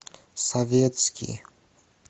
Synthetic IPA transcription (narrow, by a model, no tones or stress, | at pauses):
sɔvʲjɛt̪skʲḭ